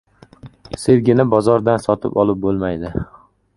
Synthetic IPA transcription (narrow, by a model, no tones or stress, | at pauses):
seɾɡʲɪnabɒzɒɾd̪ansɒt̪ʰɪ̰pɒlˠɪp̚bolˠmajd̪ɪ